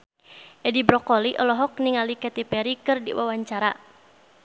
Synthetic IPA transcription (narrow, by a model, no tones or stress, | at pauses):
ʔɛdibɾɔkɔliʔɔlɔɦɔk̚niŋalikɛt̪ipɛɾikɨrdḭwa̰waɲt͡ʃaɾa